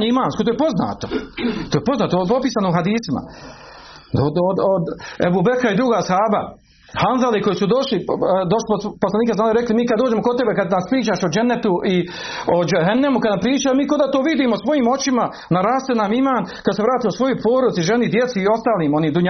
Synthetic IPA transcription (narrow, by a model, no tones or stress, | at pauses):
ɲimaːnskot̪ojpo̞zna̰ːt̪o̞t̪oːjpo̞znaːt̪opo̞piːsanouɦad̪iːsima̰ | od̪od̪od̪ebubekaid̪ɾuɡaːshaːba | hanzaliko̞jisud̪o̞ʃlid̪oʃlipoposlaniːkeasaːliɾeklimiːkad̪oːd͡ʒe̞moko̞t̪e̞bekad̪naspɾiːt͡ʃaːʃod͡ʒenːet̪uʔi | od͡ʒeɦenːemukad̪nampɾiːt͡ʃaːjomiːko̞d̪aːt̪oʋid̪iːmosʋo̞jiːmo̞t͡ʃima | naɾaːst̪enaːmimaːnkad̪sevɾaːt̪imosʋo̞jojpʰo̞ːɾod̪siʒenid̪jet̪siːo̞st̪aːliːmo̞niːmd̪uɲa